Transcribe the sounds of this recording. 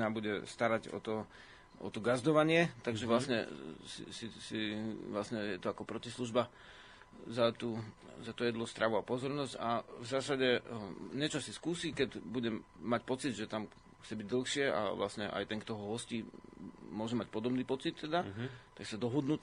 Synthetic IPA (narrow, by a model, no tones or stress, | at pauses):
nabuɟɛst̪aɾaɟɔ̰t̪ɔ | ʔɔ̰t̪ɔɡazd̪ɔʋaɲɪɛt̪aɡʒɛʋlasɲɛ̰sḭsisiʋlasɲɛjɛt̪ɔakɔpɾɔcisluʒba | zat̪uː | zat̪ujɛd̪lɔst̪ɾʔaʋuapɔzɔɾnɔsɟavzaːsaɟɛɲɛt͡ʃɔsiskuːsikɛɟbuɟɛmːacpɔt͡sid̪ʒɛt̪am | xt͡sɛbiɟd̪l̩ˠxʃɪɛʔa̰ʋlasɲɛʔa̰jt̪ɛŋkt̪ɔɦɔɦɔsciːmʊɔʒɛmac̚pɔd̪ɔbniːpɔt͡sit̪ːɛd̪at̪aksad̪ɔɦɔd̪nuː